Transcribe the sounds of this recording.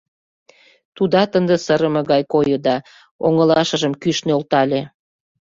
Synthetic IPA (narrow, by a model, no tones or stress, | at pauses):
t̪ud̪ɑt̪ənd̪ə̆səɾəmɤ̆ɣɑjkojod̪ɑ | o̰ŋəlɑʃə̆ʒəmkyʃneolt̪ɑlʲe